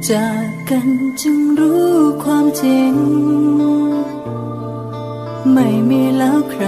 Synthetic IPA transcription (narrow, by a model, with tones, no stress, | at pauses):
t͡ɕa˨˩kːa˧nt͡ɕɯ˧ŋɾuː˦˥kʰwaː˧mt͡ɕi˧ŋ | ma˥˩jmiː˧lɛː˦˥wkʰɾa˧